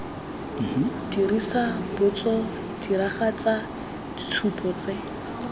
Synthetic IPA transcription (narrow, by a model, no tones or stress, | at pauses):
diɾisabʊt͡sʼɔ | d̥iɾaχat͡sa | dit͡sʰupʼɔt͡se